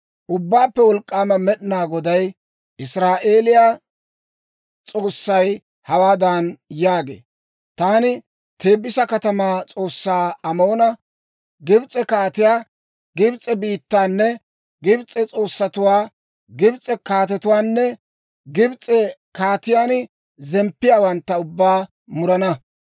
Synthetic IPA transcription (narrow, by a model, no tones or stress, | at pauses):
ʔʊbːaːpːɛwɔlkʼːaːmɐmɛɗɪnaːɡɔd̪ɐj | ʔɪsɾaːʔe̞ːlɪjaː | t͡sʼo̞ːsːɐj | hɐwaːd̪aːnjaːɡḛː | t̪aːnɪ | t̪e̞ːbːɪsɐkɐt̪ɐmaːt͡sʼo̞ːsːaːɐmo̞ːnɐ | ɡɪbt͡sʼɛkaːt̪ɪjaː | ɡɪbt͡sʼːɛbiːt̪ːaːnːɛ | ɡɪbt͡sʼːɛt͡sʼo̞ːsːɐt̪ʊwaː | ɡɪbt͡sʼɛkaːt̪ɛt̪ʊwaːnːɛ | ɡɪbt͡sʼɛ | kaːt̪ɪjaːn | zɛmpːɪjaːwɐnt̪ːɐʊbːaː | mʊɾɐnɐ